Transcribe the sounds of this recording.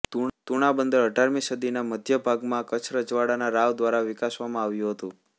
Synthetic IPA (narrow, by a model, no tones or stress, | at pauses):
t̪uɽ̃abənd̪əɾəʈaɾmisəd̪inaməd̪ʱjəbʱaɡmãkət͡ʃʰɾəd͡ʒʋaɽanaɾaʋd̪ʋaɾaʋɪkasʋamãaʋjũɦət̪ũ